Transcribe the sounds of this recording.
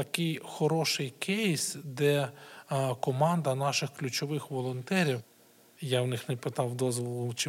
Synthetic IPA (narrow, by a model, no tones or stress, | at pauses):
t̪ɐkɪjxɔɾɔʃɪjkʰɛjisd̪ɛ | kɔmɑnd̪ɐnɑʃɪxklʲʊt͡ʃɔʋɪxʋɔlˠɔnt̪ɛɾʲiw | jawnɪxnɛpɪt̪ɑwd̪ɔzʋɔlˠʊt͡ʃɪ